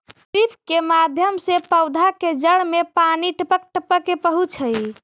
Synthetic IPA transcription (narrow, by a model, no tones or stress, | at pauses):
ʈipkemad̪ʱjəmsepəwd̪ʱaked͡ʒəɽmepaniʈəpək̚ʈəpəkepəɦut͡ʃʰəj